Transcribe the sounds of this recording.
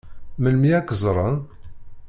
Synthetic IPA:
məlmiækəzˤɾˤən

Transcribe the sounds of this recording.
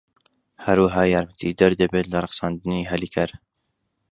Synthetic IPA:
hɐɾwəɦaːjaːɾmət̪ʰid̪ɐɾd̪ɐbeːt̪lɐɾˤɨqsɑːnd̪ɨniɦɐlikʰɐɾ

